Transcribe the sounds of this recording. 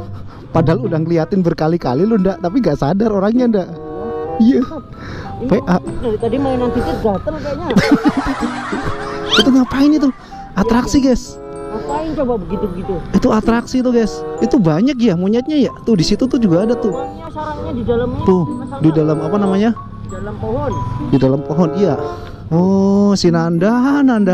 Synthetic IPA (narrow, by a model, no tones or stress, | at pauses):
padaɦaludaŋkəliat̪ɪnbərkalika̰lilʊndaʔt̪apiŋɡaʔsadaɾoɾaŋɲandaʔija | peʔʔadaɾit̪adimaɪnant̪ifɪt̪̚ɡat̪ənaɲa | it̪uŋɡapaɪnit̪̬u | at̪ɾaksiɡas | ŋapaɪnt͡ʃobabəɡit̪ubəɡit̪uit̪uat̪ɾaksit̪̬uɡasit̪ubaɲakjamuɲat̪̚ɲajat̪ʊdisit̪ut̪ud͡ʒuɡaːdat̪ʊh | aɾaɲadidalamt̪ʊdidalamapanamaɲa | alampoɦɔndidalampoɦɔnija | ɔsinandananda